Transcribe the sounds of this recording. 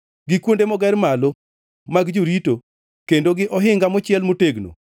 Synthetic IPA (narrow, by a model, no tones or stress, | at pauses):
ɡɪkwondemɔɡɛrmalo | maɡd͡ʒuɾito | kendoɡɪʔɔɦɪŋɡamɔt͡ʃɪɛlmoteɡno̰